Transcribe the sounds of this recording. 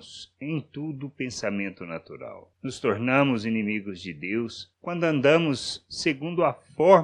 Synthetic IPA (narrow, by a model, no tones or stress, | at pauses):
sẽj̃t̪ud̪ʊpẽsamẽnt̪ʊnat̪uɾa̰wnʊst̪oɾnɐ̃mʊzinĩmiɡʊzd͡ʒɪd̪ewskwɐ̃nd̪ʊɐ̃nd̪ɐ̃mʊsːeɡũnd̪ʊɐfɔɾ